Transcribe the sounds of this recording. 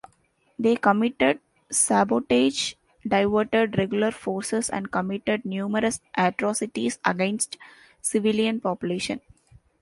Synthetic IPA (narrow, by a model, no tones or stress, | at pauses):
d̪eːkəmɪʈeɖ̚ | sæːboːʈeːd͡ʒ | ɖaɪʋəːʈeɖɾeɡjʊləɾfoːɾsesæ̰̃ɳɖ̚kəmɪʈeɖ̚njuːməɾəsʔæʈɾɔːsɪʈisə̰ɡẽnsʈ | sɪʋɪlijə̃npɔːpjʊleːʃə̰̃n